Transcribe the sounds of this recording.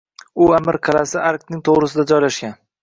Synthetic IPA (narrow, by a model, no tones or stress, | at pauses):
ʊamɪɾqʰɑlasɪʔaɾk̚t̪nɪŋt̪ʰoʁɾɪsɪd̪ad͡ʒɒjlaʃɡʲan